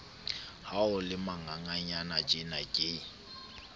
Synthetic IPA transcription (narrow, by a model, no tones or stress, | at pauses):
haʊlɪmaŋaŋaɲanad͡ʒʼɪnakʼe